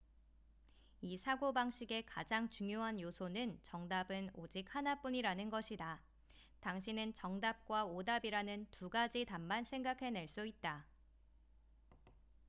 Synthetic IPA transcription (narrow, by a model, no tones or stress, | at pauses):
isʰaɡobaŋɕ͈ʰiɡe̞kad͡ʑaŋt͡ɕuŋjoɦanjosʰonɯnt͡ɕʌŋdabɯnod͡ʑik̚hanap͈uɲiɾanɯnɡʌɕʰida | taŋɕʰinɯnt͡ɕʌŋdap̚k͈waodabiɾanɯntuɡad͡ʑitammansʰe̞ŋɡakʰe̞ne̞ɭs͈uit̚t͈a